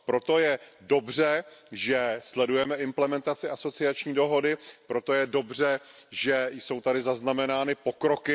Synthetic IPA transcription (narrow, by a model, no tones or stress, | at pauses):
pɾo̞t̪o̞jɛdo̞br̝ɛʒɛslɛdujɛmɛʔɪmplɛmɛnt̪at͡sɪaso̞t͡sɪat͡ʃɲiːdo̞ɦo̞dɪpɾo̞t̪o̞jɛdo̞br̝ɛʒɛjso̞wt̪adɪzaznamɛnaːnɪpo̞kɾo̞kɪ